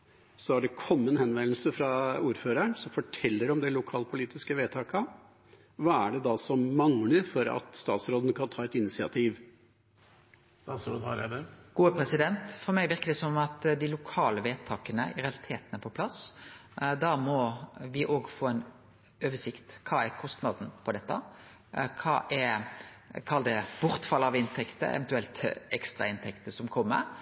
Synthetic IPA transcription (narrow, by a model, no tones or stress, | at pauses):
sɔæɖɛkʰɔmːənhɛnʋɛnl̩səfɾɑuːɾføːɾəɳsɔmfɔʈʰɛlːəɾɔmd̪ɛlʊkʰɑːlpʰʊliːt̪ɪskəʋeːt̪ʰɑːkɑ | ʋɑːæɖɛd̪ɑːsɔmmɑŋləɾfɔɾɑ̰t̪st̪ɑ̰ːt̪sɾoːd̪ənkʰɑnt̪ʰɑːɛt̪ɪnɪsɪɑ̰t̪ʰiːʋ | sɾoːd̪ɡ̥uːəpʰɾɛsɪd̪ɛnt̪fɔɾmæɪʋɪɾkəd̪ɛsɔmɑt̪d̪ɪlʊkʰɑːləʋeːt̪ʰɑːkənəɪɾɛɑlɪt̪ʰeːt̪ənəpʰɔpʰlɑs | d̪ɑmɔʋɪʔoːɡfoːɛn | øːʋəʂɪkt̪kʰɑːæɾkʰɔst̪nɑd̪n̩pʰɔd̪ɛt̪ːə̰ | kʰɑ̰ːʔɛɾ | kʰɑld̪əb̥ʊɾt̪fɑlːɑʋɪnt̪ʰɛkt̪ə̰ɛ̰ʋɛnt̪ʉɛlt̪ɛkst̪ʁɑ̰ɪnt̪ʰɛkt̪əsɔmkʰɔmːə̰ɾ